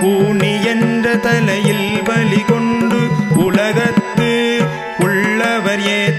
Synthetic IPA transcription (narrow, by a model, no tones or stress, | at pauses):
puːɳiɛndrɐt̪ɐlɐjɪlʋɐlɪkɔɳɖɯʊlɐɣɐt̪ːɯ | ʊɭːɐʋɐɾjeː